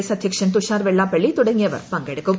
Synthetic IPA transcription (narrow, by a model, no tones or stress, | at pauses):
jsɐd̪ʱjɐkʂɐnt̪uʃaːɾʋɛɭːaːpɐɭːit̪uɽeŋeʋɐ̰ɾpɐŋɡeɽeko